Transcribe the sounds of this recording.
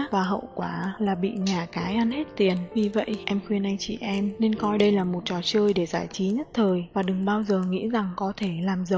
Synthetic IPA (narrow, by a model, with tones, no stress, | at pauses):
vaː˨˩ɦə̰˧˨wkwaː˧˩laː˨˩ɓḭ˧˨ɲaː˨˩kaː˨˦jʔa˧nhe˦˥t̚t̪i˨˩ənvi˨˩və̰˧˨jʔɛ˧mxwi˧ənʔa˧jŋ̟t͡ɕḭ˧˨ʔɛ˧mne˧nkɔ˧jɗə˧jlaː˨˩mo˨˩t̚t͡ɕɔ˨˩t͡ɕəː˧jɗe˧˩zaː˧˩jt͡ɕi˨˦ɲə˦˥t̚t̪ʰəː˨˩jvaː˨˩ɗɨ˨˩ŋɓaː˧wzəː˨˩ŋḭ˧˥za˨˩ŋkɔ˨˦t̪ʰe˧˩laː˨˩mzə˨˧˩